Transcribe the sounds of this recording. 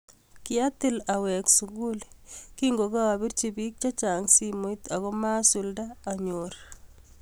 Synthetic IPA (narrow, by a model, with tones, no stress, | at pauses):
kɪa˦tɪ˦la˨wɛ˨ksuɡu˦lkiŋɡoka˦a˨bi˦ɾt͡ʃibi˦k̚t͡ʃa˦t͡ʃa˨ŋsimo˨it̪a˨ɣɔ˦ma˦suldaːɲoɾ